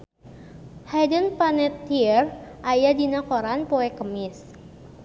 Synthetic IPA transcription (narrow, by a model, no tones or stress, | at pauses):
hajdənpanɛt̪ːiərʔajadinakoɾanpoɛkəmɪs